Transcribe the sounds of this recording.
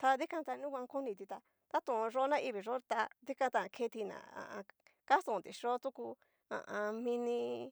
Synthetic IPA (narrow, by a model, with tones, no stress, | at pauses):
t̪a˧ði˦kã˧t̪a˧nũ˦kʷã˧ku˦nĩ˧t̪i˧t̪a˧ | t̪a˦t̪ũ˧˨˧ʐo˦nã˦ʔi˧βi˨ʐo˦t̪a˧ði˦kã˧t̪a˧ã˧kʰe˧t̪i˧nã̰˨ã̰˨ʔã˧ka˦sũ˧˨t̪i˨ʂo˦t̪u˦ku˧ | ã̰˨ʔã˧mĩ˧nĩ˧